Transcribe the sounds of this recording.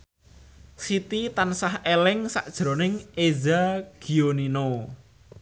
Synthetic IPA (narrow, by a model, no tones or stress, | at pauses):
sit̪it̪ansahelɪŋsa̰ʔd̥ʒ̥ɾo̤nɪŋezaɡ̥ionino